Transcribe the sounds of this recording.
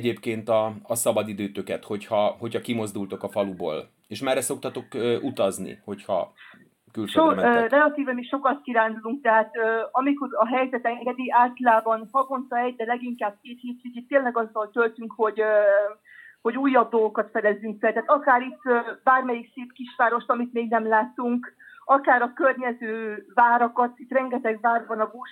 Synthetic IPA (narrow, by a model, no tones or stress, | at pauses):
ɟeːpkeːnt̪ɒːsɒbɒd̪id̪øːt̪økɛt̪ho̞chɒho̞chɒkimo̞zd̪ult̪o̞kɒfɒlubo̰ːl | eːʃmɛrːɛso̞k̚t̪ɒt̪o̞køʔut̪ɒznḭho̞chɒ̰ | kylʃʃøomrrɛlɒt̪iːvɛmiʃokɒt̪kiɾaːnd̪uluŋk̚t̪ɛɦaːt̪øɒmikoɾɒɦɛjzɛt̪ɛŋɡɛd̪iaːlt̪ɒlaːbɒnhɒɡo̞nt̪ɒɛɟd̪ɛlɛɡiŋkaːb̚keːt̪hiːt̪icit̪ːeːnlɛɡɒzːɒlt̪ølt̪yŋkho̞ɟ | ho̞ɟuːjːɒb̚d̪olɡokɒt̪fɛd̪ɛzːyŋkfɛlt̪ɛaːt̪ɒkaːɾit̪ːbaːrmɛjikseːpkiʃʋaːɾo̞ʃt̪ɒmit̪meːɡnɛmlaːt̪ːuŋkɒkaːɾɒkørɲɛzøːvaːɾɒkɒt̪it̪ːrɛŋɡɛt̪ɛɡvaːrbɒnɒbːʃ